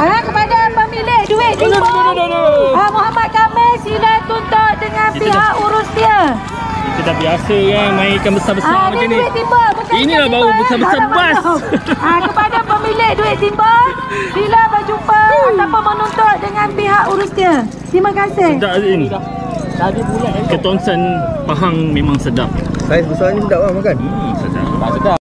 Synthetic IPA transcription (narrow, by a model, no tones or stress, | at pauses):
akəpadapəmilɪʔduɪt̪̚t̪iba | amuɦamat̪̚kamɪsilat̪unt̪ɔt̪̚dəŋanpiɦaʔuɾusɲə | k̪ədaʔbiasəjaŋmənaikanbəsabəsaamənianuɪt̪̚t̪imbabəkainilahbawbəsabəsabaawakəpadapəmilɪʔduɪt̪̚t̪imba | dilabəd͡ʒumpaaapamənunt̪ɔt̪̚dəŋãnpiɦaʔuɾʊsnə | t̪ɾimakasɪhdaʔini | dadiulankət̪ɔnsənpaɦaŋmẽmãŋsədap̚sajəsbəsaaɲəsədaʔbamakan̩ | səda̰asəda